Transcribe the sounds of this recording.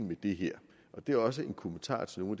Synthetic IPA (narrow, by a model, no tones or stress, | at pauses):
n̩med̥e̝ɦɛɐ̰ | ʔɒ̽d̥e̝æɐɒ̽s̬əe̝nkʰo̝mənt͡sʰɑ̰̈ːt͡sʰe̝no̝ːnæd̥